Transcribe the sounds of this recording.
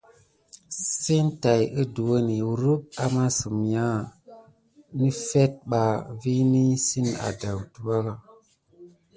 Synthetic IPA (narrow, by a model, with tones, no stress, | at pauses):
si˦nta˨jə˦du˨wo˦ni˨ɾu˦p̚a˦ma˦su˨mja˦ | ni˦fe˦t̚ɓa˨vi˦ni˦si˦na̰˨da˨wtu˨wa˦ɣa˨